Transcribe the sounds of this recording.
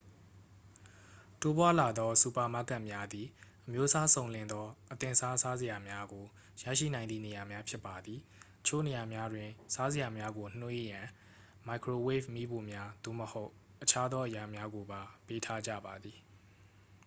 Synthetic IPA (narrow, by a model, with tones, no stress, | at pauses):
to˦pwa˦la˨d̪ɔ˦su˨pa˨ma˦˨kːã˦˨mja˦d̪i˨ʔəmjo˦sa˦sõ˨ʊ̃lɪ̃˨nd̪ɔ˦ʔət̪ɪ̃˨sa˦sa˦zə˨ja˨mja˦ɡo˨ | ja̰˦˨ʃḭ˦˨nã˨ɪ̃nd̪ḭ˦˨ne˨ja˨mja˦pʰjɪ˦pːa˨d̪ði˨t̪ət͡ɕʰo̰˦˨ne˨ja˨mja˦dwɪ̃˨sa˦zə˨ja˨mja˦ɡo˨n̥we˦jã˨ | ma˨kʰɹo˨we˦fmi˦bo˨mja˦d̪̥o̰˦˨məho˦ʊ | ʔət͡ɕʰa˦d̪ðɔ˦ʔəja˨mja˦ɡo˨ba˨pe˦tʰa˦d͡ʑä̰˦˨ba˨d̪ði˨